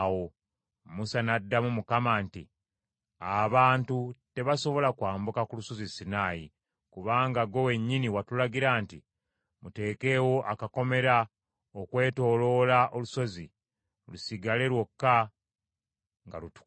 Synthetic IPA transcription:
wo̞ | musanadːamumukamantḭ | aβaːntute̞βaso̞βo̞lakwaːmbukakuluso̞zisinaːjḭ | kuβaːŋɡaɡo̞we̞ɲːiniwatulaɡiɾaːnti | mute̞ːke̞ːwo̞ʔakako̞me̞ɾa | okwe̞ːto̞ːlo̞laʔo̞luso̞zi | lusiɡale̞lwo̞kːa | ŋɡa̰lutu̥

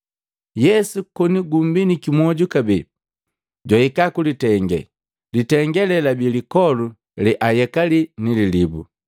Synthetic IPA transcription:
jɛsukɔniɡumbinikimwɔɟukabi | ɟwaikakulitɛŋɡɛ̰ | litɛŋɡɛlɛlabilikɔlu | lɛʔajɛkalinililibṵ

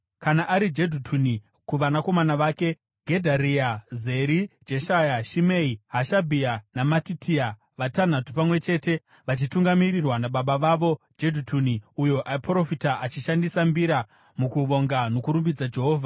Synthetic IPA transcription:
kanaʔaɾid͡ʒedʱutʰuni | kuʋanako̞manaʋaːke̞ | ɡʱe̞dʱaɾiaze̞ɾid͡ʒeʃajaʃimeiɦaʃabʱianamatitia | ʋatan̤atu̥pamwe̞t͡ʃe̞ːte̞ | ʋat͡ʃituŋɡamirirwanaɓaɓaʋaʋo̞ | d͡ʒe̞dʱutʰuniujo̞ʔaipro̞fitaʔat͡ʃiʃandisambiɾa | mukuʋo̞ŋɡano̞kuɾumbid͡zad͡ʒe̞ɦo̞ːvʱa

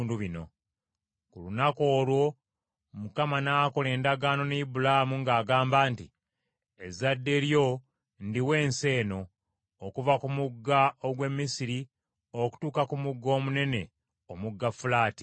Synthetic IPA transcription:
nduβino̞ | kulunako̞ːlwo̞ | mukamanaːko̞le̞ːndaɡaːno̞neibulamuŋɡaːɡaːmbaːnti | ezadːe̞ɾjo̞ | ndiwe̞ːnse̞ːno̞ː | kuvakumuɡːaoɡwe̞mːisiɾi | oku̥tuːkakumuɡːo̞ːmune̞ne̞ | omuɡːafulaːti̥

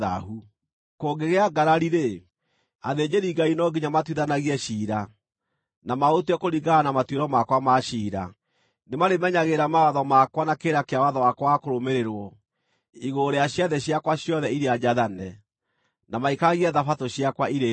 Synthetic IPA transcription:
a̰ɦu | koɡeɣeaɡaɾaɾiɾe | aðed͡ʑeɾiɡainɔɡiɲamatwiðanaɣiɛɕiːɾa | namaotwɛkoɾiɡaanamatweɾɔmakwamaʃiːɾa̰ | nemaɾemɛɲaɣeɾamawaðɔmakwanakeɾakeawaðɔwakwakoɾomeɾeɾwɔ | iɣoɾeaɕjaðɛɕjakwaɕjɔðɛiɾead͡ʑaðanɛ | namaikaɣiɛðafatoɕjakwaiɾe

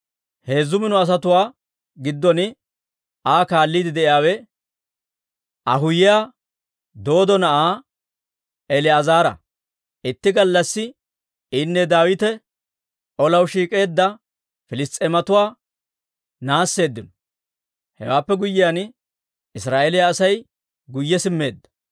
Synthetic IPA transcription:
he̞ːzːʊmɪnɔɐs̬ɐt̪ʊwaː | ɡɪd̪ːɔnɪ | ʔaːkaːlːiːd̪ɪd̪ɛʔɪjaːwɛ | ʔɐ̰ɦʊjɪja | d̪o̞ːd̪ɔnɐʔaː | ɛlɪɐzaːɾɐ̰ | ʔɪt̪ːɪɡɐlːɐsːɪ | ɪnːɛd̪aːwɪt̪ɛ | ʔɔlɐwʃiːkʼe̞ːd̪ːɐ | fɪlɪst̪ʼɛmɐt̪ʊwaː | naːsːe̞ːd̪ːɪnɔ | hɛ̰waːpːɛɡʊjːɪjan | ɪsɾaːʔɛlɪjaːsɐj | ɡʊjːɛsɪmːe̞ːd̪ːɐ̥

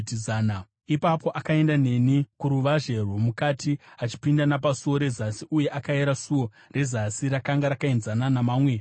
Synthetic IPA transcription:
tizaːna | ipapo̞ʔakae̞ndane̞nikuɾuʋaʐe̞romukatiat͡ʃi̥pindanap̬asuo̞ɾe̞zasiʔuje̞ʔakaeɾasuwo̞ | re̞zasiɾakaŋɡaɾakaenzananamaːmwe

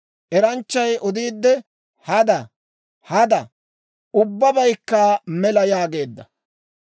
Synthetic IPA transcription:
ʔɛɾɐnt͡ʃːɐjʔɔd̪iːd̪ːɛ | hɐd̪ɐ | hɐd̪ɐ | ʊbːɐbɐjkːaːmɛlɐjaːɡe̞ːd̪ːɐ

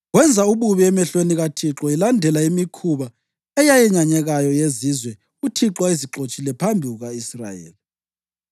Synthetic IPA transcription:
ɣwɛnd͡zʱauβuβiɛmɛɬweniɣatʰiǁɔilandʱɛlaimikʰuβa | ɛjajɛɲaɲɛɣajɔjezizwɛ | utʰiǁwaiziǁot͡ʃʼilɛpʰambʱiɣuɣaisra̰jḛːli

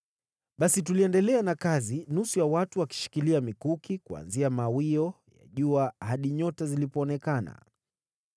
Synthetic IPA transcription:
ɓasituliɛndɛlɛanakazinusujawatuwaki̥ʃi̥kiliamikukikua̰nziamawiɔja̰ʄuahaɗiɲɔtazilipɔːnɛkana̰

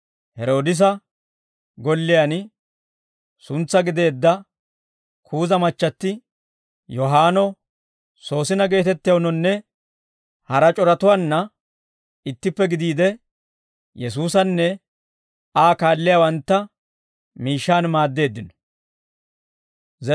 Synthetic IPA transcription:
hɛɾo̞ːd̪ɪs̬ɐ | ɡɔlːɪjan | sʊnt͡sːɐɡɪd̪e̞ːd̪ːɐ | kʰuːzɐmɐt͡ʃːɐt̪ːɪ | jɔɦaːnɔ | so̞ːsɪnɐɡe̞ːt̪ɛt̪ːɪjɐwnɔnːɛ | hɐɾɐt͡ʃʼɔɾɐt̪ʊwanːɐ | ɪt̪ːɪpːɛɡɪd̪iːd̪ɛ | jɛs̬uːsɐnːɛ | aːkaːlːɪjawɐnt̪ːɐ | miːʃːaːnmaːd̪ːe̞ːd̪ːɪnɔ̥

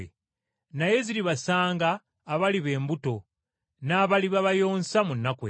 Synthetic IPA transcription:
e | naje̞ziɾiβasaːŋɡaː | βaliβe̞ːmbuto̞ | naːβaliβaβajo̞ːnsamunːakwḛ

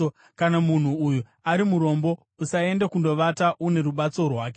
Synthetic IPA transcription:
kanamun̤uːju | aɾimuɾo̞mbo̞ | usae̞ndekundo̞ʋataʔune̞ɾuɓat͡so̞rwaːke

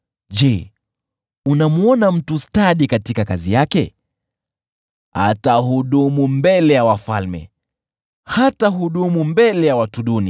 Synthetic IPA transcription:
ʄɛ | unamuɔnam̩tustaɗikatikakazijakɛ | a̰tahuɗumumbɛlɛjawafa̰lmɛ̰ | hataɦuɗumumbɛlɛjawatuɗuni

